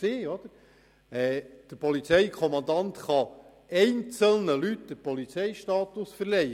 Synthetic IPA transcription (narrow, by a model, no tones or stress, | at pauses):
ɪːɔd̪̥əɾ | ɛd̪̥əɾpɔlit͡sɛɪkʰɔmɑnd̪ɑnt̪χɑ | ɛɪnt͡səlnəlytd̥̪əpɔlit͡sɛɪʃtɑːt̪ʊsfəɾlɛ